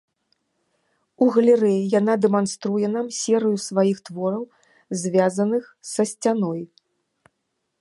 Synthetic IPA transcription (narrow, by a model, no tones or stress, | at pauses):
uɣɐlʲɛɾɛjijan̪ad̪ɛmanst̪ɾujɛnamsʲɛɾɨjusvajixt̪vɔɾɐw | zʲvʲazɐnɨxsɐsʲt͡sʲanɔj